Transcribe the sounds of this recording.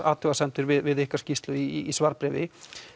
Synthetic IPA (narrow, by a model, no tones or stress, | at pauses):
a̰ːwt̪ʰʏɣasɛnt̪ʏɾvɪðvɪðɪhkaɾ̥scist̪lʏiːsvaɾpɾɛvɪ